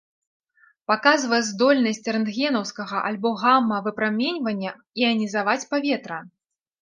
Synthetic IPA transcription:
pakazvɐjɛzd̪ɔlʲnɐsʲt͡sʲɾɛnd̪ɣʲɛnɐwskɐɣɐʔalʲbɔɣamːɐvɨpɾamʲenʲvɐnʲːɐ | iɐnʲizavat͡sʲpavʲɛt̪ɾɐ

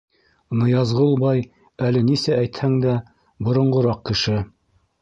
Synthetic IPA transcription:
nɤ̆jɑzʁɤlˠbɑj | ælɘnisææjt̪hæŋd̪æ | bŏɾŏɴɢŏɾɑq̚kɘ̆ʃɘ

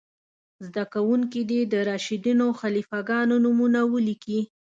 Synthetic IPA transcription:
zd̪akawuŋkid̪ed̪əɾɑʃid̪inoxalifaɡɑnonumunawəliki

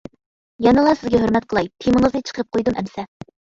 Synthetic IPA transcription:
jɑnɨlˠɑsɪzɡʲɛɦøɾmɛt̪̚qʰəlˠɑjt̪ʰimɨŋəznɛt͡ʃʰə̥qʰəɾɨp̚qʰojd̪umʔɛ̰msɛ

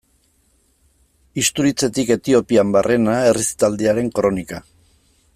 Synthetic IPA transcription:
ist̪uɾit͡se̞t̪ike̞t̪io̞piambarʔe̞naerist̪ald̪eaɾe̞ŋkɾo̞nika

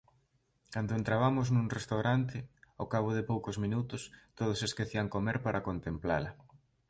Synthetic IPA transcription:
kand̪oent̪ɾaβamʊznũŋrest̪awɾant̪̬ɪokaβ̞oðɪpowkozmĩnut̪ʊst̪oð̞ʊseskeθiaŋkomeɾpaɾɐkont̪empla̰lɐ

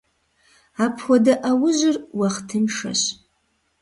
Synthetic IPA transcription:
apʰwadaʔawʊʒʷɪrwaχtʰɨmʂa̰ɕ

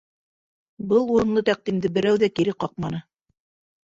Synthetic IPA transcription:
bɤlˠuɾɤ̆nlˠɤt̪æq̚d̪imd̪ɘbɘ̆ɾæwðækiɾɘqɑq̚mɑnɤ

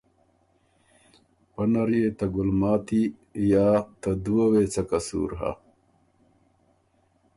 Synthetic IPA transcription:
pɐnɐɾjet̪ɐɡulmaːt̪i | jaːt̪ɐd̪uwɐweːt͡sɐkɐsṵːɾɦa̰

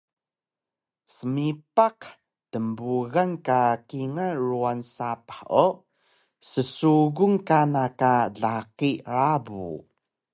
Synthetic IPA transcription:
səmipaq | təmbuɣankakiŋaruansapḁħo | səsuɣuŋkanakaɮaqiɾabṵ

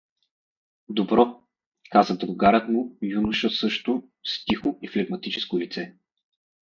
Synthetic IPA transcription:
d̪obɾɔ | kazəd̪ɾʊɡaɾət̪mujunʊʃəsɤʃt̪ʊ | st̪ixʊiflɛɡmɐt̪it͡ʃɛ̥skʊlit̪sɛ

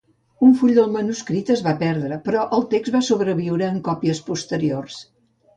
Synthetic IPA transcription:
uɱfuʎd̪əlˠmənuskɾit̪əzβapɛɾðɾəpɾɔʔəlˠt̪eɡzβasuβɾəβ̞iwɾəːŋkɔpiəspust̪əɾiors

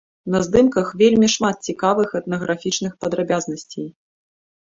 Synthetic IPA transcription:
nɐzd̪ɨmkɐxvʲelʲmʲiʂmat̪̚t͡sʲikavɨxɛt̪̚nɐɣɾʔafʲit͡ʂnɨxpɐd̪ɾabʲaznɐsʲt͡sʲej

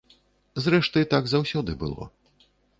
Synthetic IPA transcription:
zɾɛʂt̪ɨt̪aɡzawsʲɔd̪ɨbɨ̰lˠɔ̰

